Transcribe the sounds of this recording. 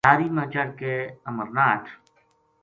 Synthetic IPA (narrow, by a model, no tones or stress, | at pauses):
aːɾiːmãːt͡ʃaɾkeəməɾnaːʈʰ